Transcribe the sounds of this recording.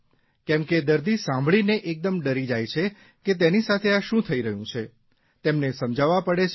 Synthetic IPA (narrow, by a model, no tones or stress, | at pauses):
kɛ̃mked̪əɾd̪isãmbʱɭineʔek̚d̪əmɖəɾid͡ʒajt͡ʃʰe | ket̪̬enisat̪ʰeaʃũt̪ʰəiɾəɦjũt͡ʃʰe | t̪emnesəmd͡ʒaʋapəɽet͡ʃʰ